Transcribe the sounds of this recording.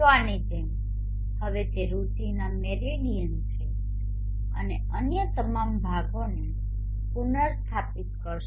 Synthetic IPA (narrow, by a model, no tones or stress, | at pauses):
ʋañit̪em | həʋet̪eɾut̪inamɛɾelijənt͡ʃʰe | əne | ənjət̪əmambʱaɡone | punəɾst̪ʰapit̪kəɾʃ